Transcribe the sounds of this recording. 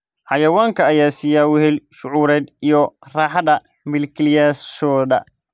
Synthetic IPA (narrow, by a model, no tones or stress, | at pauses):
ħɑjɐwaːŋkʰɐːjaːsiːjaːwʊhɛlʃʊʕuːɾɛːd̪ijɔraːħɑdɐ | mɪlkʰlɪjaʃɔːd̪ɐ̰